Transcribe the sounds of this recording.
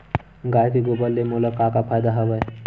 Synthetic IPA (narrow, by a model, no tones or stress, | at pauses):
ɡajt̪iɡobəlːemolakakapʰajd̪aɦəʋaj